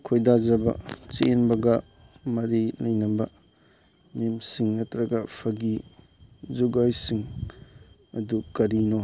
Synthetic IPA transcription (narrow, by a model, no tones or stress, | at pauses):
kʰojdazaba̰t͡ʃeːnbɐɡa | mɐɾinajnɐba | memsiŋːɐtɾɐɡapʰɐɡi | zuɡajsiŋ | ɐ̰dukɐɾino